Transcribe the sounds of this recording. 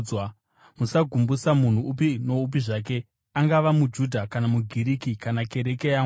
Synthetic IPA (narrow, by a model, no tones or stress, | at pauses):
wa | musaɡʱumbusamun̤uːp̬ino̞up̬iʐaːk̬e̞ | aŋɡaʋamud͡ʒudʱakanamuɡʱiɾikikanake̞ɾe̞kejaː